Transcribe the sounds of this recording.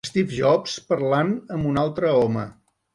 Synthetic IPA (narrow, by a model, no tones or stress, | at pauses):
st̪ifʒɔpspəɾlanəmbunalˠt̪ɾəɔmə